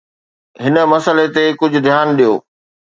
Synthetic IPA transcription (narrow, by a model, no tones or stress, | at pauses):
ɦɪnə̆mɐsəlet̪ekʊd͡ʑʱʊ̆d̪ʱjaːnɗijoː